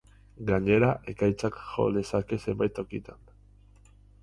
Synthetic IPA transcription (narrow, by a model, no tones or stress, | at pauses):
ɡaɲe̞ɾaʔe̞kajt͡sakʝo̞̰ðe̞sake̞se̞mbajt̪o̞kit̪an